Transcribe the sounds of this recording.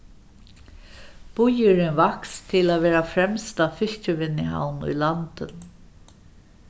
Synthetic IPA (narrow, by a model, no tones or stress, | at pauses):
b̥ʊjʏɾɪnvakst̪ʰɪlaːʋɛːɾafɾɛmst̪afɪɬt͡ʃɪʋɪnːɪɦa̰wnʊ̰jlant̪ən